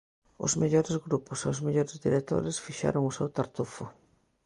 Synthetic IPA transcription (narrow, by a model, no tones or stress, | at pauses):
ʊ̰zmeʎoɾezɣɾupʊseozmeʎoɾezðiɾet̪o̰ɾesfiʃa̰ɾʊŋʊsewt̪aɾt̪ufʊ